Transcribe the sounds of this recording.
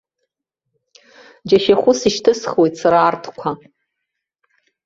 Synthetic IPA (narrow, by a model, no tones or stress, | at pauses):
d͡ʒaʃaχʷʊsiʃtʰɨsχwejtʰsaɾaːrtʰkʷʰa